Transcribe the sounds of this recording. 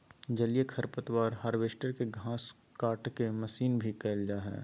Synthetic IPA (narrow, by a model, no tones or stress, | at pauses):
d͡ʒɐlijekʰɐɾpət̪waːɾɦaːɾʋeːʃʈəɾkeɡʱãːs | kaːʈkemɐsiːnbʱikɛːld͡ʒaɦɛ̰ː